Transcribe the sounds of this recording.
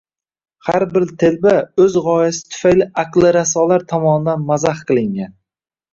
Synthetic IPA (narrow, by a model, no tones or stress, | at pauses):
haɾbɪɾt̪ʰelbaɵzʁɒjasɪ̥t̪ʰʊ̥fajlɪʔaqlˠɪɾasɒlaɾt̪ʰɒmɒnɪd̪anmazahqʰɨlˠɪŋɡʲan